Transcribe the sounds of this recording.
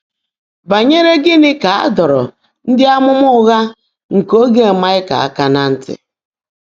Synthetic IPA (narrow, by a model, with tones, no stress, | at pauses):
ba˨ɲe˦ɾe˦ɡɪ˦nɪ˦ka˨a̰˦dɔ˨ɾɔ̰˨ | n̩˦dɪ˦a˦mʊ˦m˦ʊ˦ɣa˦ | ŋ̩˨ko˦ɡe˨ma˦ɪ˦ka̰˨a̰˦ka˨na˦n̩˦tɪ̰˨